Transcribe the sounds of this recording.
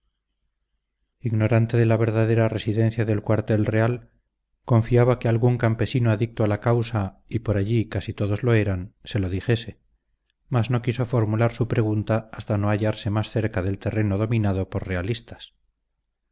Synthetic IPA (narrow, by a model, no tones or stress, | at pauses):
iɣno̞ɾant̪e̞ðe̞laβ̞e̞ɾðaðe̞ɾare̞siðẽ̞n̟θjaðe̞lkwaɾt̪e̞lre̞al | ko̞ɱfiaβakealɣuŋkampe̞sinoaðik̚t̪oalakawsaipo̞ɾaʎikasit̪o̞ðo̞zlo̞e̞ɾanse̞lo̞ðixe̞se̞ | mazno̞kiso̞fo̞ɾmulaɾsupɾe̞ɣ̞unt̪aːst̪ano̞aʝaɾse̞masθe̞ɾkaðe̞lt̪e̞re̞no̞ðo̞mĩnað̞o̞poɾre̞alist̪ḁs